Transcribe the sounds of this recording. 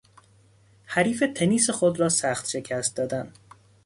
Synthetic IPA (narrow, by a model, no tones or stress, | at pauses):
hæɾiːfe̞t̪ʰeniːsexod̪rɒːsæxt̪ʃe̞cʰæst̪̚d̪ɒːd̪æn